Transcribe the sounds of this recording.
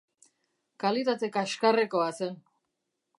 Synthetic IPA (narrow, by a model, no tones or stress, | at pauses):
kalit̪at̪e̞kaʃkareko̞ase̞n